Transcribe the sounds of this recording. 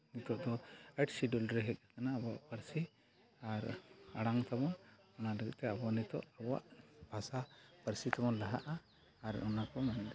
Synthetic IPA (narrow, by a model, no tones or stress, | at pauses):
nit̪ɔʔd̪ɔɛʈsiɖɔlɖɾɛɦɛk̚akanaːbaʔpəɾsi | aɾaɽaŋt̪ʰabɔn | ɔnadɔɡɛ̰ʔ̚t̪ɛabanit̪ɔ̰ʔaba̰ʔb̥ʱasapəɾsit̪ʰabɔnlaɦaʔaː | ɾɔnakɔmɛnd̪ɛ